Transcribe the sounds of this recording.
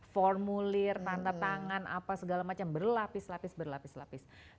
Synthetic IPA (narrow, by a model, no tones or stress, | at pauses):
fɔrmulɪrt̪andat̪aŋana̰pasəɡalamat͡ʃambərlapɪslapɪsbərlapɪsla̰pɪs